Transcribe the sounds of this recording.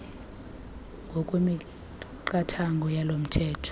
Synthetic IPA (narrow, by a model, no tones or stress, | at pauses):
ŋɡʱɔkʼwemi | ǃatʰaŋɡʱɔjalom̩tʰɛːtʰɔ̥